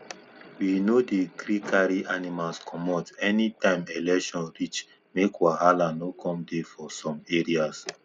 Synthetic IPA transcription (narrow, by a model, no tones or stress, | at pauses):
winodeɡɾikʰaɹiʔanimalskʰɔmɔtɛnitãɪ̃mɛlɛʃɔ̃nɹit͡ʃ | mekwaɦalãnokʰɔ̃mdefɔsɔ̃meɹias